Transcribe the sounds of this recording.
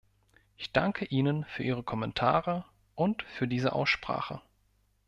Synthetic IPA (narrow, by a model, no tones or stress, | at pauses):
ʔɪçd̥aŋkʰəʔiːnənfyːɐʔiːʁ̞əkʰɔmɛntʰa̰ːʁə | ʔʊntfyːɐdiːzəʔa̰ʊsʃpʁ̥a̰ːχə̰